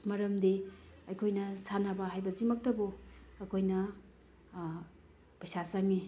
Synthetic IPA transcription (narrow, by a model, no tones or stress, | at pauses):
mɐɾɐmdiɐjkʰojnɐsanabaɦajbɐzimɐk̚tɐboɐkʰojnɐ | pɐjsasaŋi